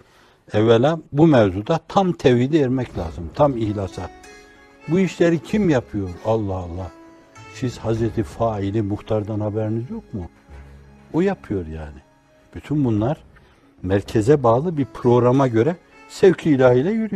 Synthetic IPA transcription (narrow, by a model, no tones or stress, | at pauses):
ɛvːɛlʲabumɛvzud̪at̪ʰamt̪ʰɛvhid̪ɛɛɾmɛcʰlʲaːzɯmt̪ʰamihlʲasa | buiʃlʲeɾicʰimjapʰɯjo̞ɾalˠːahɑlˠːah | siz̥hazɾɛt̪ʰifaːilʲimuxt̪ʰaɾd̪anhabɛɾinizjo̞kmu | ojapʰɯjo̞ɾjaːni | b̥yt̪ʰynbunlˠaɾ | mæɾcʰɛzɛbaːlˠɯbiɾpʰɾo̞ɡɾamaɟø̞ɾɛ | sɛvcʰiːlʲahilʲɛjyɾy